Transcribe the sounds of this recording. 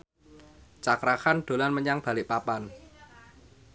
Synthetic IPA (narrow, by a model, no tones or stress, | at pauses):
t͡ʃakɾahanɖ̥o̤lanməɲaŋb̥a̤lɪʔpapan